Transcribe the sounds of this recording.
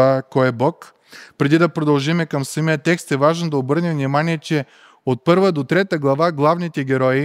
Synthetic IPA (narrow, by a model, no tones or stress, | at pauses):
akɔɛbɔk | pɾɛd̪id̪ɐpɾod̪ɐlˠʒimɛkɐmsəmiət̪ɛkst̪ɛvaʒnd̪ɐobɤɾnɛmvnimaniɛt͡ʃɛ | ot̪̚pɤɾvəd̪ot̪ɾɛt̪əɡlˠɐvaɡlˠavnit̪ɛɡʲɛɾɔi